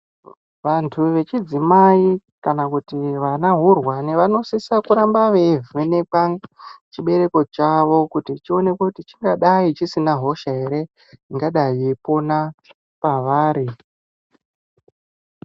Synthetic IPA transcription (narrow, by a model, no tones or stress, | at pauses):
ʋantʰuʋe̞t͡ʃid͡zimai | kanakutiʋanaɦurwaneʋano̞sisakuɾambaʋevenepat͡ʃiɓe̞ɾe̞ko̞t͡ʃaʋo̞kutit͡ʃio̞ne̞kutit͡ʃiŋɡaɗait͡ʃisinaɦo̞ʃaɦe̞ɾe̞ | iŋɡaɗajiepo̞na | paʋaːɾi